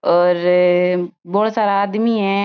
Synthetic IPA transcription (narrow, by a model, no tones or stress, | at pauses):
ɔːɾ | bɔːɽsaːɾaaːd̪miɦɛ̃ː